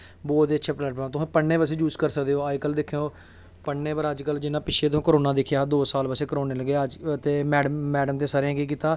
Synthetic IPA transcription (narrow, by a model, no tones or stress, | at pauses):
bɔːt̪eːətːʃʰaːpləʈpãt̪ʊɦãːpəɳːẽːbəs̬ẽːd͡ʒuːskəɾsəkd̪eːoːaikəld̪ɪkʰejoː | pəɳːeːpəɾəd͡ʒkəld͡ʒɪnãːpɪt͡ʃʰeːt̪ãːkəɾoːnaːd̪ɪkʰjaːd̪oːsaːlpəseːkɾoːneːləɡed͡ʒt̪eːmɛːɖəmːɛːɖəmt̪eːsəɾãːkiːk̬it̪aː